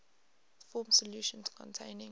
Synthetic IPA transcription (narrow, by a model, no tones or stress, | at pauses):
fɔːmsɔljuʃə̃nskʰɔ̰̃ntʰẽɪ̃nɪ̃